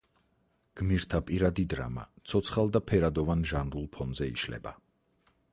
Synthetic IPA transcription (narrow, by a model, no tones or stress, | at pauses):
ɡ̥miɾt̪ʰapʼiɾad̪id̪ɾa̰ma̰t̪sʰɔt̪sʰχalˠd̪apʰɛɾad̪ɔvanʒanɾulˠpʰɔnzɛḭʃlɛ̰ba